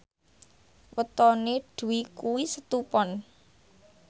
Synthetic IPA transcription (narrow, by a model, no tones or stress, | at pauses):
wət̪ɔneɖ̥ṳwikuwisət̪upɔn